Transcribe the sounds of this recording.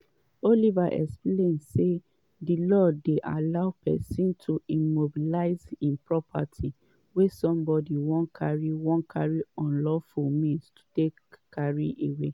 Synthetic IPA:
olivaʔɛ̰ksplẽnse | dilɔdeʔa̰laʊpɛ̰sĩntʰuĩmobilaɪzĩnpɹɔpʰa̰tʰi | wesɔ̃mbɔdiwɔ̃ntkʰaɹiwɔ̃nkʰaɹiɔ̃nlɔfulmĩnstʰu̥tekːaɹiʔewe

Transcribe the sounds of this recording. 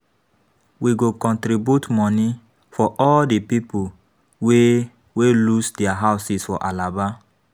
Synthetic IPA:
wiɡokɔ̃ntɾibjutmɔ̃ni | fɔʔɔldipipu | we | welusdɛaɦaʊsisfɔ̰ʔalaba

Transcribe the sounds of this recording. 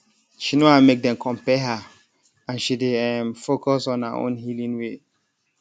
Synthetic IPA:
ʃinohaʊmek̚dɛ̃mkʰɔ̃mpɛɦa | ãnʃideɛmfokɔsɔ̃na̰ʔõ̰nɦilĩnwe

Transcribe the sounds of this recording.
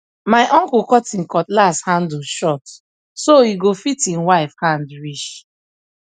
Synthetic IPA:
maɪʔɔ̃ŋkukɔtĩnkɔtlasthãnd̩ʃɔt | soiɡofitĩnwaɪfhãndɹiʃ

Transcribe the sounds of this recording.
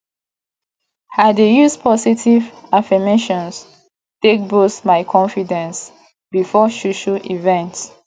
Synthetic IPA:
hadejuzpʰɔsitivafimeʃɔ̃ns | tek̚bosmaɪkʰɔ̃nfidɛ̃ns | bifɔʃuʃuʔivɛ̃nt

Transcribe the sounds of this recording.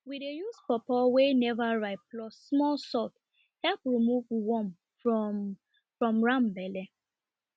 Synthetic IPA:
widejuspɔpɔwenɛvaɹaɪtplɔsːmɔlsɔt | hɛlpɹimuvwɔ̃m | fɹɔ̃mɹãmbɛle

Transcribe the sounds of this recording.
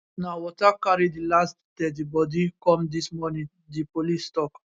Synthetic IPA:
nawɔt̪akːaɾid̪ilast̪d̪ɛd̪ibɔd̪ikɔmd̪ismɔni | d̪ipolist̪ɔk

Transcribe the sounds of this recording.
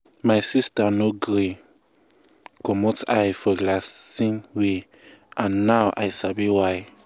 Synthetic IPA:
majsistanoɡɾe | kɔmɔtajfɔɡlasĩnwe | ʔãnːawʔa̰jsabiwaj

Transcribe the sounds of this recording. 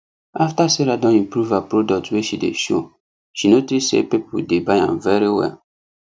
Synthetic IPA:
aftaseɾadɔ̃nĩmpɾuvapɹodɔk̚tweʃidḛʃo̰ | ʃinotisḛpipṵdebaã̰mvɛɾiwɛ̰l

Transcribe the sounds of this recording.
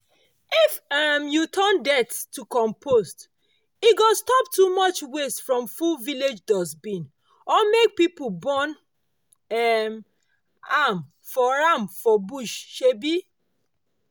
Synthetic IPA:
ifamjutʰandɛttːukɔ̃mpʰost | iɡostɔp̚tumɔt͡ʃwesfɹɔ̃mfuviled͡ʒdɔsbĩn | ɔmek̚pipubɔ̃n | ɛm | am | fɔɹamfɔbuʃʃebi

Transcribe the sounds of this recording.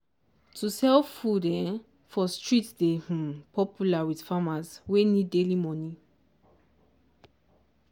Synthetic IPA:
tʰusɛlfudɛ̃n | fɔstʰɹitdehũpʰɔpʰjulawiθfamasweniddelimɔ̃ni

